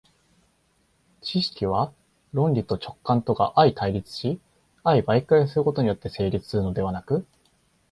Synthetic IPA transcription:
t͡ɕiɕi̥kʲiβ̞a | ɾõ̞nʲɾʲit̪o̞t͡ɕo̞̥kːãnt̪o̞ɡaʔait̪ʰaiɾʲit͡sɨ̥ɕi | aibaikais̬ɨɾɯko̞t̪o̞ɲ̟ijo̞t̪ːe̞se̞ːɾʲit͡sɨ̥sɨɾɯ̟no̞d̪e̞β̞anakɯ̟

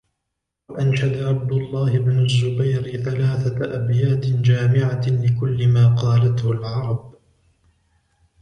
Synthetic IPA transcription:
waʔanʃad̪aʕab̚d̪ʊlˤːɑːhɪbnʊzːʊbajɾɪθalaːθaʔabjaːt̪ɪd͡ʒaːmɪʕalɪkʊlːɪmaːqɑːlat̪hʊlʕɑɾˤɑb

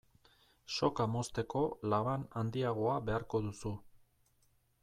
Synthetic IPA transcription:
ʃo̞kamo̞st̪e̞ko̞laβanand̪iaɣ̞o̞aβe̞aɾko̞ðusu

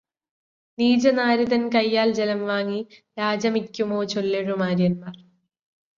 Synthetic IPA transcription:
niːd͡ʑɐnaːɾiðɐnkɐjːaːld͡ʑelɐmʋaːŋːiɾaːd͡ʑɐmikʲːumoːt͡ɕolːeɻumaːɾjɐnmaːr

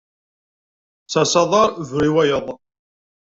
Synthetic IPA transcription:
sæsɑðˤɑɾˤvɾiwæjəðˤ

